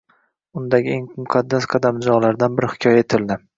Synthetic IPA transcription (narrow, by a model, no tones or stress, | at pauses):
ʊnd̪aɡʲɪeŋmʊqʰɑd̪ːasqʰɑd̪amd͡ʒɒʁlaɾd̪anbɪɾɪhɪ̥kʲʰɒjaet̪ʰɪld̪ɪ